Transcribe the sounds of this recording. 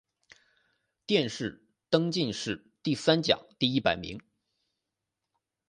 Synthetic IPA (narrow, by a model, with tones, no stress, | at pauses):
t̪jɛ˥˧nʂɻ̩˥˩ | t̪ɤ˥ŋt͡ɕi˥˧nʂɻ̩˥˩ | t̪i˥˩sa˥nt͡ɕjɑ̰˨˩˦ŋt̪i˥˧i˥˩pa˨˩ɪmḭ˧˥ŋ